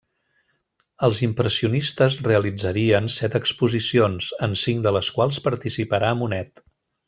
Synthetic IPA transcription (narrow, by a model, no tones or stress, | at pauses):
əlˠzimpɾəsiunist̪əzreəlid͡zəɾiənsɛt̪əkspuzisionzənsiŋd̪ələskwalˠspəɾt̪isipəɾaəmunɛt̪